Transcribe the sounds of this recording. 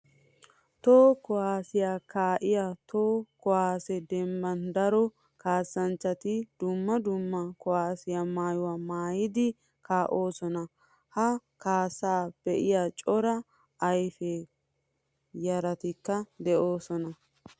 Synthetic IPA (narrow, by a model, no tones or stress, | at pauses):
t̪oːkɔhaːsɪjaːkaːʔɪjaːt̪oːkɔhaːsɛd̪ɛmbɐnd̪ɐɾɔ | kaːsːɐnt͡ʃːɐt̪ɪd̪̥ʊmːɐd̪ʊmːɐkɔwaːsɪjamaːjʊwaːmaːjɪd̪ɪ | kʰaːʔo̞ːsɔnɐ | hɐkaːsaːb̥ɛʔɪjaːt͡ʃʼɔɾɐ | ɐjfe | jɐɾɐt̪ɪkːɐd̪ɛʔo̞ːsɔnɐ